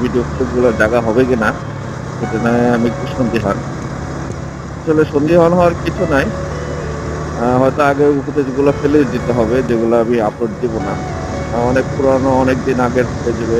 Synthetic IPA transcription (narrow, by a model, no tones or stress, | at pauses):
bʱiɖiopleb̚ɡulaɾd͡ʑaɡaɦɔbek̬ina | ket̪enajamik̚uʃond̪iɦɔn | aʃʰoleʃond̪iɦɔanɦɔoaɾkit͡ɕʰunaj | ɦɔet̪oaɡeupot̪ed͡ʑɡulafeled͡ʑd̪it̪eɦɔbed͡ʑeɡuloamiapɾoʈ̚d̪ibona | ɔnek̚puɾanoɔnek̚d̪inaɡeɾt̪ʰoked͡ʑeβe